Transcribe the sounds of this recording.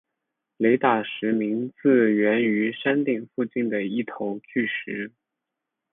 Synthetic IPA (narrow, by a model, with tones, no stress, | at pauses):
le˧˥ɪt̪a˨˩ʂɻ̩˧˥mi˧˥ŋt͡sɹ̩˥˩ɥɛ˧˥ny˧˥ʂa˥nt̪i˥˩ŋfu˥˧t͡ɕi˥˩nd̪ə˩i˥˩t̪ʰo˧˥ʊt͡ɕʰy˥˩ʂɻ̩˧˥